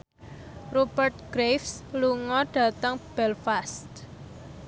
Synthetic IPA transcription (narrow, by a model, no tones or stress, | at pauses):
rub̥ərt̪̚ɡ̥ɾefsluŋɔɖ̥ä̤t̪əŋb̥ɛlfast̪